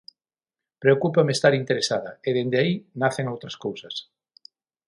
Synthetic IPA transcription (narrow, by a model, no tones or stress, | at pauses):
pɾeokupamest̪aɾint̪eɾesaðɐeðend̪eainaθeŋowt̪ɾɐskowsɐs